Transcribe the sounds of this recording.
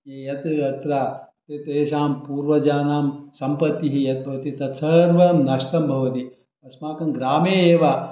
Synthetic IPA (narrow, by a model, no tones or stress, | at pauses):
jejɐt̪ɐt̪ɾaːt̪et̪eːʃaːmpuːɾʋɐd͡ʒaːnaːmsɐmpɐt̪ːiɦijɐt̪̚bʱɐʋɐt̪it̪ɐt̪sɐɾʋɐmnɐʂʈɐmbʱɐʋɐt̪i | ɐsmaːkɐnɡɾaːmeːeːʋaː